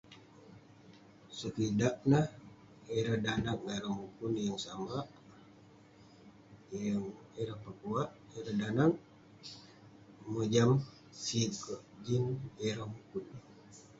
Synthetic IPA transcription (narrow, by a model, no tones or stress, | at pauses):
səkidaʔ̚nah | eɾahdanaŋeɾamukunjaŋsamaʔ | jaŋ | eɾahpəkuaʔ | eɾadanaŋ | məd͡ʒam | sikəʔd͡ʒineɾamukun